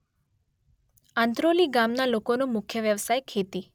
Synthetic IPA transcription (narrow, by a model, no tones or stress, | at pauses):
ãnt̪ɾoliɡamnalokonõmʊkʰjəʋjəʋsajkʰet̪i